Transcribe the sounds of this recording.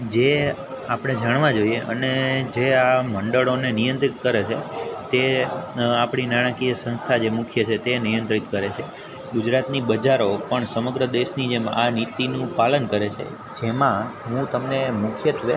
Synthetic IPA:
d͡ʒe | apɽ̃ed͡ʒaɽʋãd͡ʒoieʔə̰ned͡ʒeaməɳɖəɭonenijə̃nt̪ɾit̪kəɾet͡ʃʰet̪e | apɳ̃inaɽ̃akijəsə̃nst̪ʰad͡ʒemukʰjət͡ʃʰet̪enijə̃nt̪ɾit̪kəɾet͡ʃʰe | ɡud͡ʒɾat̪nibəd͡ʒaɾopəɳsəməɡɾəd̪eʃnid͡ʒemanit̪inũpalənkəɾet͡ʃʰḛ | d͡ʒemãɦũt̪əmnemukʰjət̪ʋe

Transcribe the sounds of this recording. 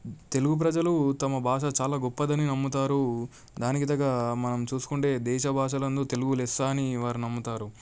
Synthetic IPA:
t̪e̞luɡup̬ɾɐd͡ʒɐlut̪ɐmɐbʱaːʂɐt͡ʃaːlaːɡɔpːɐd̪ɐninɐmːut̪aːɾu | d̪aːnikid̪ɐɡɐmɐnɐmt͡ʃuːsu̥kuɳʈe̞ːd̪ɛːʃɐbʱaːʂɐlɐnd̪ot̪e̞luɡulɛsːaːniʋaːɾinɐmːut̪aːɾu

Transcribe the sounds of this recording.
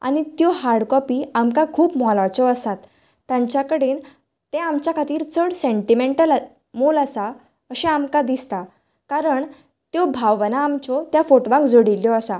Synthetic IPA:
a̰ñit̪jɔɦaɾɽkɔpiːamkakʰuːpmɔlat͡sɔəsat̪ː | jãɲt͡ɕjakəɽeːn | t̪ẽamt͡ɕjakʰat̪iːɾt͡səɽseɳʈimeɳʈəl | moləsa | əɕɛ̃amkad̪ist̪a | kaɾəɳ | t̪jɔbʱawʋnaːmt͡sɔt̪jafoʈʋãŋkd͡zoɽilːjɔəsa

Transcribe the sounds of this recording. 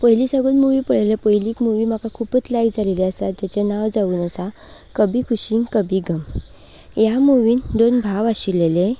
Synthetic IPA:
pəɦjlisəɡəlmuʋiːpəɽ̤alepəɦjliːkmuʋiːm̤akakʰupət͡slajkd͡zaleleəsat̪jat͡ɕenaʋd͡zauːnəsa | kəbʱikʰuɕiŋɡkəbiɡʱəm | jamuʋiːnd̪onbʱaʋaɕiɾlelẽ

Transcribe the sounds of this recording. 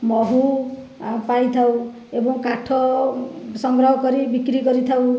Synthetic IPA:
mʌɦu | pajt̪ʰaw̃ | ebɔŋkaʈʰʌ | sʌŋɡɾʌɦkʌɾibikɾiɡʌɾit̪ʰaw

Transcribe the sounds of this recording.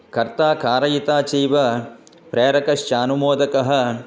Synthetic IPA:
kɐɾt̪aːkaːɾɐjit̪aːt͡ʃiːʋɐ | pɾeːɾɐkɐʃt͡ʃaːnumoːd̪ɐkɐɦɐ̆

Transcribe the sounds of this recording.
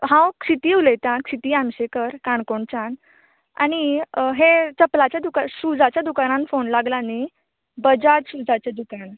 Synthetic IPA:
ɦãwkɕit̪iːulet̪ãkʂit̪iːamɕekəɾkaɳkoɳt͡ɕan | a̰ɽ̃iɦet͡səplat͡ɕjad̪ukaɾɕud͡zat͡ɕjad̪ukaɾãnfonlaɡlani | bəd͡ʑatɕud͡zat͡ɕad̪ukan

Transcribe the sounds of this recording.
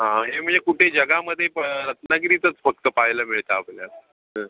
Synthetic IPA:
ɦãɦem̤əɳd͡zekuʈʰed͡ʑəɡaməd̪ʱːjepəɾət̪nakit̪iːt̪ət͡sfək̚t̪əpajləːmiɭt̪əːpljas | ə̃

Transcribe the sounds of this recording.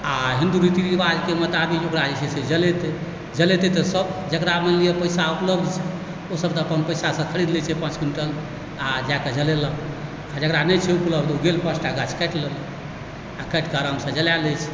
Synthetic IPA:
aɦind̪uɾit̪inibad͡ʒkemət̪abikjoɡɾad͡ʒət͡ʃʰɛsʰed͡ʒəlet̪e | d͡ʒəlet̪et̪əsəbd͡ʒəkɾamelijepəɪjsaupləbd̪t͡ʃʰɛ | osəbt̪əːpənpəjsasə̃kʰəɽid̪lɛt͡ʃʰɛpãt͡ʃɡinʈəl | ad͡ʒakəd͡ʒəlelə̃ | ad͡ʒəkɾanət͡ʃʰɛupləbd̪uɡelpəsʈaɡat͡ʃʰkɛʈləl | akɛʈkəɾəmsə̃d͡ʒəljalɛt͡ʃʰɛ̥

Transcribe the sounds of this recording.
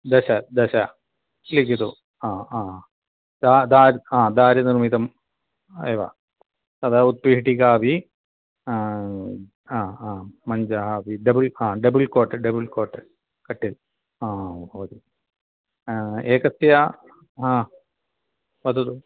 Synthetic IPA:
d̪ɐɕɐd̪ɐɕɐ | likːit̪u | aːaː | d̪aːd̪aːɾãːd̪aːɾɐnirmit̪ɐm | eːʋɐ̰ | sɐd̪aːut̪̚piɦʈikaːʋi | aːaːmɐɲd͡ʑɐɦaʋiɖɐbɨlãːɖɐbulkoːʈːɐɖɐbulkoːʈːɐ | kɐʈːil | aːoːd̪i | eːkɐsja | ɦãː | ʋɐd̪ut̪u

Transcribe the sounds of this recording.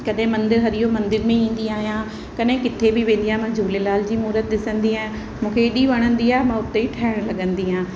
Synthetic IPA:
kɐɗɦɪ̃mɐ̃nd̪ɪɾɦɐɾiɦomɐ̃nd̪ɪɾmẽĩːn̆d̪iaːɦijã | kɐɗɦɪ̃kɪt̪ʰebɪʋẽːn̆d̪ijaːɦmãd͡ʑʱuːlelaːld͡ʑiːmuːɾət̪̚ɗɪsə̃nd̪iaːɦ | mũːkʰeɗiʋɐɽ̃ə̃nd̪iaːɦɛmãʊt̪eʈʰaːɦɪɽ̃lɐɠə̃nd̪iɦãː

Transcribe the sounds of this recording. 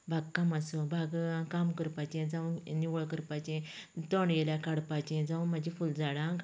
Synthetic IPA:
bʱaɡ̚kamasɔbʱaɡãkamkəɾpat͡ɕɛ̃d͡zaũniwɭkəɾpat͡ɕɛ̃t̪ɔɳɡɛljakaɽpat͡ɕɛ̃d͡zaũmad͡ʑifuld͡zaɽãŋɡ

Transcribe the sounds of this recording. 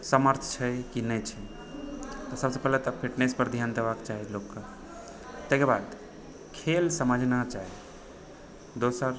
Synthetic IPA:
səməɾt̪ʰt͡ʃʰəjkinəjt͡ʃʰɛ | t̪ɔsəbsepɛɦlet̪ɔpʰiʈnespəɾd̪ʱjand̪ebakt͡ʃaɦilokːə | t̪ekeɾbad̪ | kʰelsəməd͡ʒʱnat͡ʃaɦi | d̪osəɾ

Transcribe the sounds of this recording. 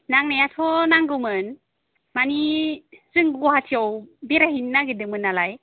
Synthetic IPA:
naŋnajatʰɔnaŋɡɯmɯn | maniz̥ɯŋɡuhatʰiawbeɾaɦinːaɡedɯmɯnːalaj

